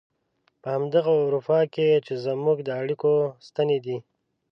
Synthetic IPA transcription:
pəhamd̪aɣauɾufɑket͡ʃezamuɡd̪əaɽikost̪aned̪i

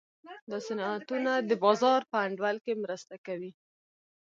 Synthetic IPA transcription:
d̪ɑsanɑat̪unad̪əbɑzɑɾpəaɳɖwalkemɾəst̪akawi

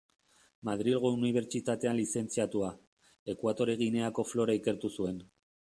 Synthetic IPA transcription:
maðɾilɣouniβ̞e̞ɾt͡ʃit̪at̪e̞anlise̞nt͡siat̪ua | e̞kwat̪o̞ɾe̞ɣ̞ine̞ako̞flo̞ɾaike̞ɾt̪usue̞n

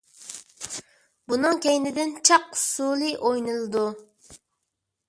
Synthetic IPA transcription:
bunɨŋkʲʰɛjnɪd̪ɪnt͡ʃʰɑqʊ̥sulˠɨʔojnɨlˠɨd̪u

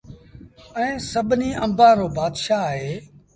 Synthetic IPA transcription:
ɛ̃ːsəbʱniːʔə̰̃mbãːɾoːbaːd̪ʃaːɦeː

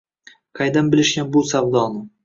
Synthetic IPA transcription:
qʰɑjd̪anbɪlɪʃɡʲanbʊsavd̪ɒnɪ

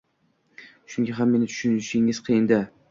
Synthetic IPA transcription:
ʃʊŋɡʲaɦamːe̞nɪt͡ʃ̪ʰʊ̥ʃʊnʃɪŋɪz̥qʰɨjɪnd̪a

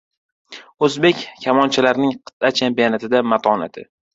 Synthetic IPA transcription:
ɵzbekʲkʰʲːamɒnt͡ʃʰalaɾnɪŋqʰɨ̥t̪at͡ʃʰampijanat̪ʰɪd̪amat̪ʰɒna̰t̪ʰɪ̰

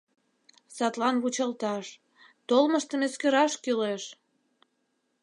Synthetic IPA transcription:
sɑt̪lɑnβut͡ɕɑlt̪ɑʃ | t̪olməʃt̪əmeskøɾɑʃkyleʃ

